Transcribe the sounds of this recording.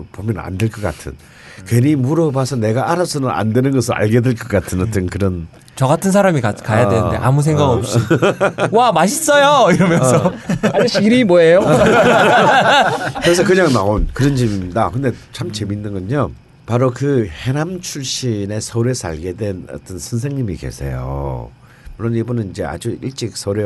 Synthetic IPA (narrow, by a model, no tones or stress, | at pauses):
pomjʌna̰ndeɭk͈ʌk͈a̰tʰɯ̰n | kwe̞ɾimuɾʌbasʰʌne̞ɡaʔaɾasʰɯnɯna̰ndwe̞nɯnɡʌsʰɯɾa̰ɭɡe̞dweɭk͈ʌk͈atʰɯnʌt͈ʰɯnkɯɾʌn | t͡ɕʌɡatʰɯns̬ʰaɾamikakajjadwenɯndḛʔa̰mus̬ʰeŋɡaɡɯops | wamaɕʰis͈ʌjoiɾʌmjʌnsʌaɕiɾimwoejo | kɯɾes̬ʰʌkɯɲaŋnaonkɯɾʌnd͡ʑemimidakɯnde̞t͡ɕʰamt͡ɕe̞minːɯnɡʌɲo | paɾokɯhe̞ɾamt͡ɕʰuɭɕ͈ine̞sʰʌɾe̞sʰa̰ɭɡedwe̞nʌ̰t͈ʌnsʰʌns̬ʰe̞ŋɲimike̞̰sʰe̞̰jo̰ | muɭːʌnibunɯnind͡ʑea̰d͡ʑuiɭt͡ɕ͈ik̚sʰʌɾe